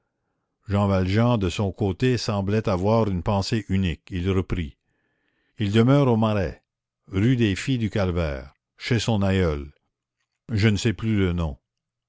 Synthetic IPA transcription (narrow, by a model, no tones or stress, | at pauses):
ʒɑ̃valʒɑ̃d̪əsɔ̃kot̪esɑ̃blɛt̪avwaːʁynpɑ̃seʔynikilʁəpɾi | ild̪əmœːʁomaʁɛ | ʁyd̪efid̪ykalvɛ̰ːʁ | ʃesɔ̃najœl | ʒənəsɛplylənɔ̃